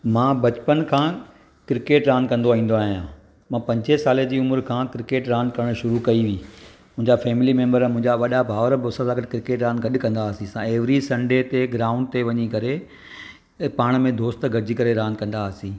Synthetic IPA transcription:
mãːbɐt͡ɕpənkʰãː | kɪɾɪkeːʈɾãːnkɐ̃nd̪oĩːnd̪oaːɦijãː | mãːpɐ̃ɲd͡ʑesaːled͡ʑiːʊmʊɾkʰãːkɪɾɪkeːʈɾãːnkɐɽəɽ̃ʃʊɾukɐiʋiːmʊ̃ɦɪ̃ɲd͡ʑafɛːmɪlimẽːmbəɾmʊ̃ɦɪ̃ɲd͡ʑaʋɐɗabʱaːʋəɾboːsãzaːɡəʈkɾɪkeːʈɾãːnɡɐɗkɐ̃nd̪aːsĩsãeːʋɾisɐ̃ɳɖet̪eɡɾaːʊ̃ɳɖt̪eʋɐɲikɐɾe | paːɽ̃mẽd̪oːst̪ɡɐɾd͡ʑikɐɾeɾãːnkɐ̃nd̪asĩː

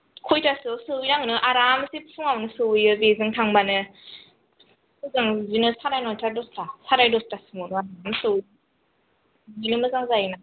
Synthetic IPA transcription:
kʰojtʰasɯsɯwjnaŋnɯʔaɾamsippʰuŋawnɯsɯwjɯbezɯŋtʰaŋbanɯ | sɯzaŋzinɯsaɾajnɔjtʰadɔstʰasaɾajdɔstasɯmɯnɯaɾamsɯwjna | ɯnɯmɯzaŋzajna

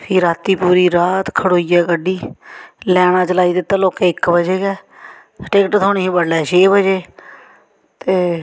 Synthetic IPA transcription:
iːɾaːt̪iːpuːɾiːɾaːt̪kʰəɽoːijɛːkəɖiːlɛːɽ̃ãːt͡ʃəlaːiːd̪ɪt̪ːaːloːkɛɪkbəd͡ʒeːɡɛː | ʈeːkʈt̪ʰoːneɦiːbəɽlɛːt͡ʃʰeːbəd͡ʒeː | t̪eː

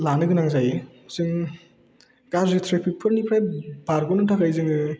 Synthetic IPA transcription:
lanɯɡɯnaŋzajesɯŋ | ɡ̥aɾzetʰɾepʰipʰɯɾnipʰɾajbaɾɡɔnɯtʰakʰajzɯŋɯ

